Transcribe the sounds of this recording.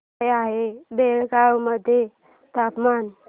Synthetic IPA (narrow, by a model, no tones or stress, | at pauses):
jaɦebelɡawməd̪ʱːje | t̪apman